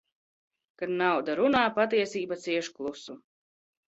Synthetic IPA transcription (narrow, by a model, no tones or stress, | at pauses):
kad̪nawd̪aɾunaːpat̪̬iɛsiːbat̪siɛʃu̥klˠusu